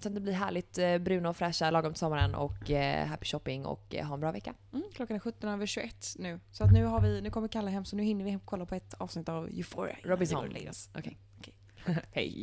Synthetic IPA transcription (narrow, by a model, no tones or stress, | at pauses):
anəbliːɦæːɭɪt̪bɾʉ̟ːnaɔfɾɛʂalɑːɡɔmt̪sɔmːaɾənʔɔ̰kɦæpːɪ̥ʃɔpːɪŋɔ̰kɦaɛnbɾɑːvɛkːam̩kʰlɔkːanɧɵt̪ːɔnɛvəɕʉʔɛt̪ːnʉ̟ːsɔat̪nʉ̟ːɦaɾvɪnʉ̟kɔməɾɪkʰalːaɦɛmːsɔnʉhɪnːəɾvɪkʰɔlːapʰɔɛt̪ɑ̰ːvsnɪt̪ːavjʉfɔ̰ɾ̰ɾɔbɪnsɔ̰nɛ̰asɔ̰kʰɛ | hɛ̰j